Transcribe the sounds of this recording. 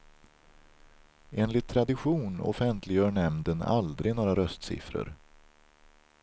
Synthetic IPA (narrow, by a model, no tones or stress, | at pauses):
eːnlɪt̪ʰːɾad̪ɪɧuːnɔ̰fɛnt̪ʰlɪɡœːɳɛmnd̪əna̰ld̪ɾɪɡnoːɾaɾœst̪sɪ̰fɾə̰ɾ